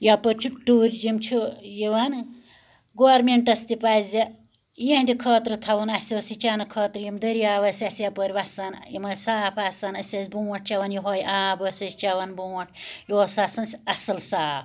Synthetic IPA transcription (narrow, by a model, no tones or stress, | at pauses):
japəɾʲt͡ʃʰuʈːuːɾʲd͡ʒimt͡ʃʰujiʋɐn | ɡoːɾmeɳʈɐst̪ipazʲɐ | jehnd̪ikʰɐːt̪ɾɨt̪ʰɐʋɐnɐsʲoːsit͡ʃanɨkʰɐːt̪ɾjimd̪ɐɾijaːʋɐsʲɐsjapəɾʲʋɐsɐnjimɐsaːpʰaːsɐnɐsʲɐsʲbuːɐʈ̚ʰt͡ʃɐʋɐnjiɦoːjaːbɐːsɐst͡ʃɐʋɐnbuːɐʈʰjoːsaːsɐnsʲɐsɐlsaːp